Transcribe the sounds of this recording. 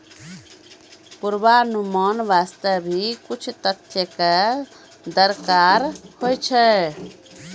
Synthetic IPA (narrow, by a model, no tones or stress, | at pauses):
puɾbanumɔnbast̪əbʱikut͡ʃʰut̪ət̪ʰjəke | d̪əɾkaɾhojt͡ʃʰɛ